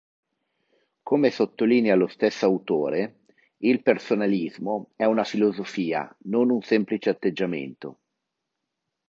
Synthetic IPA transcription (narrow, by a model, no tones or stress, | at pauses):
komesot̪ːoliːnealost̪esːawt̪oːɾe | ilpersonalizmoɛunafilozofiːa̰nonunsɛmplit͡ʃeat̪ːed͡ʒːamḛnt̪o̰